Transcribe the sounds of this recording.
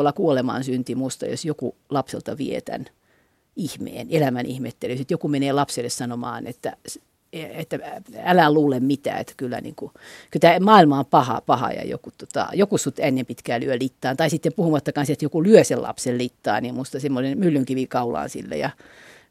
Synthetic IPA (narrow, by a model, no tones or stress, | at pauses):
lːɑkuolemɑ̰nsynt̪imust̪ɑ̰jo̰sjokulɑpsḛlt̪ɑʋiet̪æ̰n | ihmḛːnelæmænʔihmet̪ːelyset̪jokumeneːlɑpselːessɑnomɑ̰ːnḛt̪ːæ̰s | eet̪ːæælæluːlemmit̪æ̰ːḛt̪ːæ̥kylːæ̰nḭːŋkukylt̪æmɑːilmɑompɑhɑ̰pɑhɑ̰jɑ̰jo̰kut̪ot̪ɑ̰jokusut̪ːænːempit̪kæːlyølit̪ːɑːnt̪ɑisit̪ːempuhumɑt̪ːɑkɑnset̪jokulyøsellɑ̰psellit̪ːɑ̰ːnimmust̪ɑsemːonenmylːyŋkiʋikɑulɑ̰ːnsḭlːḛjɑ